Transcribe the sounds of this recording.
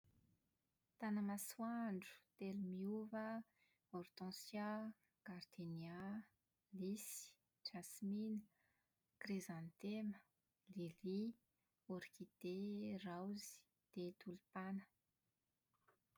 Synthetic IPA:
t̪anəmaswaɳɖ͡ʐu̥t̪elumiuvə | ɔɾt̪ɔ̃sja | ɡaɾd̪inia | lisi̥ | d͡ʒasminə | krizant̪emə | lili | oɾkid̪erawzi̥ | d̪̥et̪ulupanə̥

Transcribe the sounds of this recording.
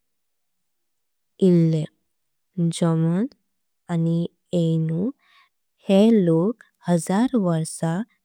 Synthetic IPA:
ilːe | d͡ʑɔmən | ani | enu | helok | həd͡zaɾʋəɾsa

